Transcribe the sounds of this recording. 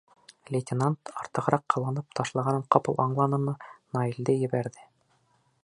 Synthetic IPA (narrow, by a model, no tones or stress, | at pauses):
lʲetʲɪnant̪ɑɾt̪ɤ̆ʁɤɾɑqːɤ̆wɑnɤp̚t̪ʰɑʃlˠɑʁɑnɤɴqɑpɤlˠʔɑɴlˠɑnɤmɤnɑild̪ɘjɘ̆βæɾðɘ